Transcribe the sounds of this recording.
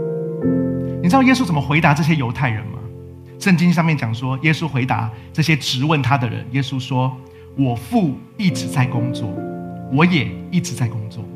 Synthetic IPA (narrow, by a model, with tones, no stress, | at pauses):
ni˨ʈ͡ʂɻ̩˥˩jɛ˥s̬u˥t͡sə˨˩mə˦xwe˧˥ɪt̪a˧˥ʈ͡ʂɤ˥˩ɕ̬jɛ˥jo˧˥ʊt̪ʰa˥˩ɪɻə̰˧˦nmɐ̰˧ | ʂə˥˩nt͡ɕi˥ŋʂ̬ɑ˥˧ŋmjɛ˥˩nt͡ɕjɑ˨˩ŋʂwɔ˥jɛ˥su˦xwe˧˥ɪt̪a̰˧˦ʈ͡ʂɤ˥˩ɕjɛ˦ʈ͡ʂɻ̩˧˥wə˥˩nt̪ʰa˥d̪ə˨ɻə̰˧˦njɛ˥su˦ʂwɔ˥ | wɔ˨˩fu˥˧ | i˥˩ʈ͡ʂɻ̩˧˥t͡sa˥˩ɪkʊ˥ŋt͡swɔ̰˥˩wɔ˨˧˥jɛ˨˩i˥˩ʈ͡ʂɻ̩˨˥t͡sa˥˩ɪkʊ˥ŋt͡swɔ̰˥˩